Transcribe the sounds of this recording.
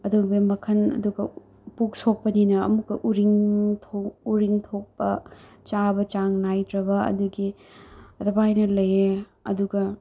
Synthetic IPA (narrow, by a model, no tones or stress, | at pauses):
ɐdubemɐkʰɐnɐ̰duɡɐ | puk̚sok̚pɐninɐ̰ːmukːɐʔuɾiŋtʰouɾiŋtʰok̚pɐ | t͡ʃabɐt͡ʃaŋnajdɾɐbɐɐ̰duɡi | ɐtɐbajnɐlɐje | ɐ̰duɡɐ